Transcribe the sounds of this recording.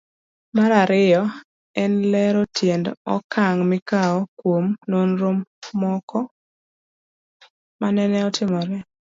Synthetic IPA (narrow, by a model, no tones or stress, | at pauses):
maɾaɾɪjɔ | ɛnlɛɾɔtjendɔ̰kʰaŋmɪkaɔkwomnonɾomːɔkʰɔ | manɛnɛɔtʰɪmɔɾɛ